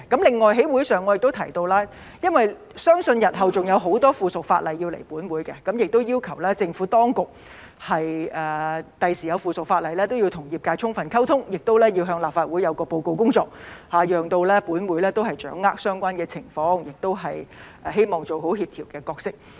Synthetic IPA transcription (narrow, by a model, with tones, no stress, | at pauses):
kɐ˨˥mlɪ˨˩ŋːɔː˨jɦe˨˥jwu˨˥jsœː˨˩ŋːɔː˨˧jɪ˨k̚t̪o˥wt̪ʰɐ˨˩jt̪o˧wlaː˥ | jɐ˥nwɐ˨j | sœː˥ŋsɵ˧njɐ˨t̚ɦɐ˨wt͡sʊ˨˩ŋjɐ˨˧wɦo˨˥wt̪ɔː˥fuː˨sʊ˨k̚faː˧t̚lɐ˨˩ji˧wlḛ˨˩jpuː˨˥nwuː˨˥jkɛ˧kɐ˨˥mjɪ˨k̚t̪o˥wjiː˥wkʰɐ˨˩wlɛː˥t͡sɪ˧ŋfuː˨˥t̪ɔː˥ŋkʊ˨k̚ | hɐ˨jʔɛː˨t̪ɐ˨jsiː˨˩jɐ˨˧wfuː˨sʊ˨k̚faː˧t̚lɐ˨jlɛː˥t̪o˥wji˧wt̪ʰʊ˨˩ŋjiː˨˩p̚kaː˧jt͡sʰʊ˥ŋfɐ˨nkʰɐ˥wt̪ʰʊ˥ŋjɪ˨k̚t̪o˥wlɛː˥ji˧wɦœː˧ŋlaː˨pfaː˧t̚wu˨˥jɐ˨˧wkɔː˧po˧wko˧wkʊ˥ŋt͡ʃɔː˧k̚haː˨˩jœː˨ŋt̪o˧wlɛː˥puː˨˥nwuː˨˥jlɛː˥t̪o˥wɦɐ˨jt͡ʃœː˨˥ŋːaː˥k̚sœː˥ŋkʷaː˥nkɛː˧t͡sʰɪ˨˩ŋfɔː˧˥ŋjɪ˨k̚t̪o˥wɦɐ˨jʔɛː˨ɦe˥jmɔː˨˩ŋt͡so˨wɦo˨˥whiː˧p̚t̪ʰiː˨˩wkɛː˧kɔː˧k̚sɪ˥k̚